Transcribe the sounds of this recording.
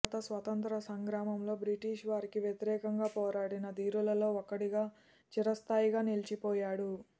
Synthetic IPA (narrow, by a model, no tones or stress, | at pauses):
t̪ɐsʋɐt̪ɐnt̪ɾɐsɐŋɡɾaːmɐmlo̞ːbɾiʈiːʂʋaːɾikiʋjɐt̪iɾɛːkɐŋɡaːpɔːɾaːɽinɐd̪iːɾulɐlo̞ːɔkːɐɽiɡaː | t͡ʃiɾɐst̪aːjiɡaːnilit͡ʃipɔːjaːɽu